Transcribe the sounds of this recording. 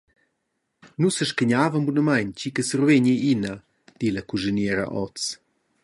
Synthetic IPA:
nusəʃkəɲaːvəmbunɐmajnt͡ʃikəsərveɲiinɐ | d̪̥ilɐkuʒinɛːɾɐ̰ʔɔ̰t͡s

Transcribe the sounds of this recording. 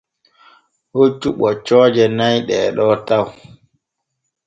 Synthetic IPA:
hot͡ʃːuɓɔt͡ʃɔːd͡ʒɛnajɗɛɗɔtaw

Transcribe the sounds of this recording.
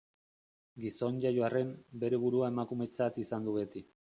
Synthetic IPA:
ɡiso̞nʝajoare̞mbe̞ɾe̞β̞uɾuae̞makume̞t͡sat̪isand̪uβe̞t̪i

